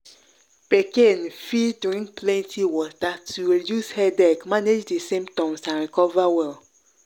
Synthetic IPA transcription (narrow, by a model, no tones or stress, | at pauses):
pekẽnfiduɹĩŋkplɛ̃ntʰiwɔtatʰuɹedjushɛdɛkmaned͡ʒdesẽmtɔ̃msãnɹikɔvawɛl